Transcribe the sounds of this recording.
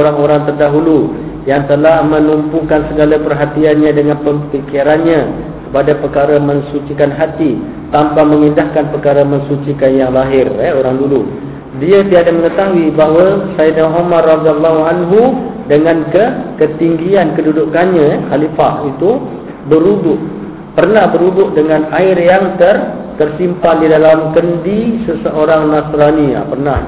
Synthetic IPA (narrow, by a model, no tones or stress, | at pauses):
ɾaŋoɾaŋt̪ərdaɦulu | jaŋt̪əlahmə̃numpukansəɡalapərɦat̪ianɲãdəŋanpəmpikiɾanɲã | kəpadapərkaɾamə̃ɲsut͡ʃikanɦat̪i | t̪ampamə̃ŋindahkanpərkaɾamə̃ŋsut͡ʃikanjaŋlaɦɪrɛoɾaŋdulu | diat̪idadaməŋət̪aɦuibaɦwasaidaɦomarɑd̪ialːɔɦuanɦu | dəŋãnkəkət̪iŋɡiankədudukanɲaɛxalifa̰ʔit̪u | bəɾudʊʔ | pərnahbəɾudʊʔdəŋãnaɪrjaŋt̪ər | t̪ərsimpandidalamkəndisəsəʔoɾaŋnasɾania̰pərnah